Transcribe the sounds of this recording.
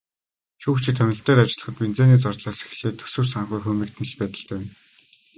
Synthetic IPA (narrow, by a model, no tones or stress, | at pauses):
ʃuːkt͡ɕʰĭt̪ʰɵnʲɪ̆ɬt̪eːɾat͡ɕɪ̆ɮə̆χə̆t̪pint͡seːniːt͡sɔrt̪ɮaːse̥x̆ɮeːt̪ʰɵ̥sɘ̆wsaɴχujxɵːmʲiːk̚t̪̆ʰn̆ɮpæːt̪ə̆ɬt̪æːn